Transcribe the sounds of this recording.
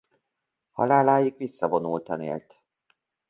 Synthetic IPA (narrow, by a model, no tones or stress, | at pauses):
hɒ̰laːlaːjikʋisːɒvo̞nult̪ɒnḛːlt̪